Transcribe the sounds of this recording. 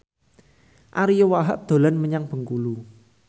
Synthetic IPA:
ʔaɾijowaɦə̰ʔd̪̥o̤lanməɲaŋb̥ə̤ŋkulu

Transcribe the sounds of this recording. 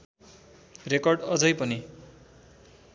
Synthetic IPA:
rekʌrɖʌd͡zʌjpʌni

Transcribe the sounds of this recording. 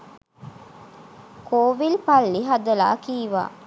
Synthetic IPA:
kʰoːʋilpalːiɦad̪əla̰ːkiːʋa̰ː

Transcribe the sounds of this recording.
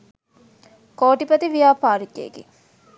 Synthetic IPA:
koːʈipɐt̪iʋijaːpaːɾikːḛɡḛ

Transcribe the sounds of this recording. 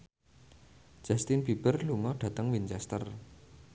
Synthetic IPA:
d͡ʒ̥ast̪ɪnb̥ib̥ərluŋɔɖ̥ä̤t̪əŋwint͡ʃɛst̪ər

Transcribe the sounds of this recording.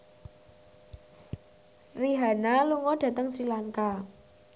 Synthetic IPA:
riɦanaluŋɔd̥ä̤t̪əŋsɾilaŋka

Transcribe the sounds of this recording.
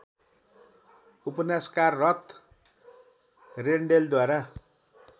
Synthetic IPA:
upʌnaskarːʌt̪ | reɳɖeld̪waɾa

